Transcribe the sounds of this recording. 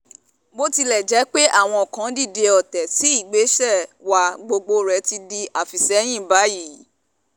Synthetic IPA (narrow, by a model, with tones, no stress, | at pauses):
bo˦ti˧lɛ˨d͡ʒɛ˨˦k͡pe˦ʔa˦˨w̃ɔ̃˧ɔ˨kã˨˦di˦˨de˧ɔ˨tɛ˨ti˨˦i˦˨ɡ͡be˨˦ʃɛ˦˨wa˧ɡ͡bo˧ɡ͡bo˧ɾɛ˨˦ti˧di˧a˨fi˨sɛ˨˦j̃ĩ˦˨ba˨˦ji˦˨